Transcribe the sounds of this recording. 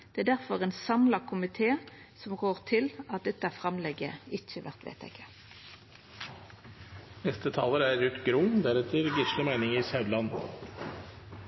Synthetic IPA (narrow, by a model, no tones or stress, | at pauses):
d̪̥ɛæːɖ̪æʁfɔʁeːnsɑmlɑkʰʊmɪt̪ʰeː | sɔmɡoːʁt̪ʰɪlɑt̪̚d̪ɛt̪ːəæːʁfʁɑmlɛɡəɪçəʋæ̰ʁt̪ʋḛɪt̪ʰæ̰ɪkə̥ | nɛst̪ət̪ʰɑːləɾæɾːʉt̪ɡɾuːnd̪æɾɛt̪ʰəɾɡɪʃləmæɪnɪŋɪsɑʉd̪lɑn